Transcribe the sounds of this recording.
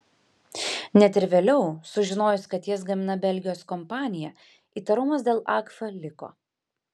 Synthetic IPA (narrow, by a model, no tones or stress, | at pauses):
nʲɛt̪ɪɾʋʲeːlʲɛʊsʊʒʲɪnoːjʊsʲkɐt̪jɛs̬ɡɐmʲɪnɐbʲɛlʲɡʲɪjoːskɔmpɑːnʲɪjɛ | iːt̪ɐɾʊmɐs̬d̪ʲeːlˠʔɑːkfɐlʲɪko̰ː